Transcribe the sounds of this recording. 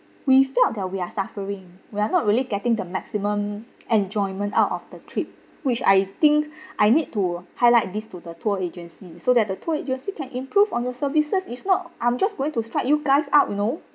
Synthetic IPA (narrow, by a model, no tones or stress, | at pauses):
wifɛlt̚dɛt̚wiasafəɹĩŋwianɔt̚ɹiliɡɛtĩŋdəmɛksimə̃mɛ̃nd͡ʒɔ̃ɪ̃nmə̃nta̰ʊtɔfdətʰɹip̚ | wit͡ʃa̰jt̪ĩŋkʔajnid̚tuhajlaɪt̚distudətʰuəed͡ʒə̃nsisodɛt̚dətʰuəed͡ʒə̃nsikɛ̃nʔĩmpʰɹuvɔ̃njɔsəvisəsifnɔtʔãɪ̃md͡ʒasɡoɪ̃ŋtustɹak̚juɡaɪsaʊt̚juno